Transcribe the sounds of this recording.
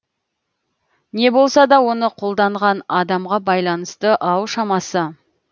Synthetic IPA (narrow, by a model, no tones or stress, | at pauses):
ne̞bo̞lˠsɑd̪ɑwo̞nəqʰo̞lˠd̪ɑɴʁɑnɑd̪ɑmʁɑbɑjlˠɑnəst̪əʔɑwʃɑmɑsə